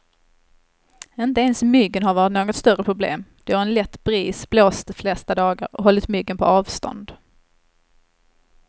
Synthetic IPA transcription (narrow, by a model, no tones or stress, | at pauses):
ɪnt̪əɛnsmʏɡːənɦaɾvɑːɾɪt̪noːɡɔt̪st̪œɾəpʰɾʊblḛːmd̪̥ɛhaɾɛnlɛt̪ːbɾiːsbloːst̪flɛst̪ad̪ɑːɡa̰ɾɔ̰ɦɔlːɪt̪mʏɡːənpʰɔɑːvst̪ɔ̰nd̪